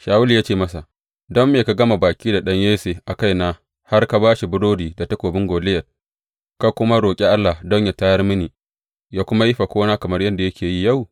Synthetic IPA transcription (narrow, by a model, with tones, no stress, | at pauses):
ʃaː˨wʊ˦li˨jaː˦t͡ʃeː˦˨mɐ˦sa˨ | dɔ˦mːeː˨ka˨ɡɐ˦ma˨baː˨kʲiː˦da˨ɗɐ˦ɲjeː˦seː˨ʔa˨ka˦˨jnaː˦ | ha˦rka˦baː˦ʃi˨bʊ˦doː˦diː˨da˨tɐ˦kʷoː˨bɪ˦ŋɡʷoː˨lɪ˦jɐ˨t̚ | ka˦kʷʊ˦ma˦ɾoː˨kʲʼe˦ʔa˦lːa˨dɔ˦ɲja˨taː˦jɐ˦rmɪ˦niː˨ | jaː˦kʷʊ˦ma˦ji˦ɸa˨kʷoː˦naː˦kɐ˨mɐ˦rjɐ˦nda˨jɐ˦kʲʰeː˨ji˦ja˦˨w